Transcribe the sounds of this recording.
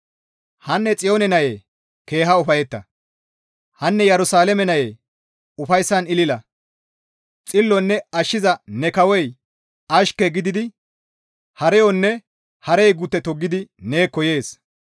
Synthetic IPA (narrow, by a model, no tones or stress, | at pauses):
hɐnːɛt͡sʼɪjoːnɛnɐjeː | ke̞ːɦɐʊfɐjɛt̪ːɐ | hɐnːɛjɛɾʊsaːlɛmɛnɐjeː | ʊfɐjsːɐnɪlɪlɐ | t͡sʼɪlːɔnːɛɐʃːɪzɐnɛkɐwɔj | ɐʃkːɛɡɪd̪ɪd̪ɪ | hɐɾɛjɔnːɛ | hɐɾɛjɡʊt̪ːɛt̪ɔɡːɪd̪ɪne̞ːkːɔje̞ːs